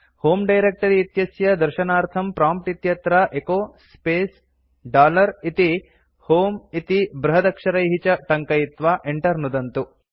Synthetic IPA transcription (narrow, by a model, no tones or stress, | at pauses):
hoːmɖɐjɾek̚ʈɐɾiːt̪jɐsjɐd̪ɐɾʃɐnaːɾt̪ʰɐmpɾaːmp̚ʈit̪jɐt̪ɾɐʔekoːspeːs | ɖaːlɐɾit̪i | hoːmit̪ibɾɐɦɐd̪ɐkʂɐɾɐjɦit͡ʃɐʈɐŋkɐjit̪ʋaːʔeɳʈɐɾnud̪ɐnt̪u